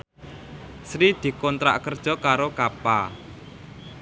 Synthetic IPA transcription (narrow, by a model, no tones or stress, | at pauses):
sɾid̪̥i̤kɔnt̪ɾa̰ʔkərd̥ʒ̥ɔ̤kaɾokapa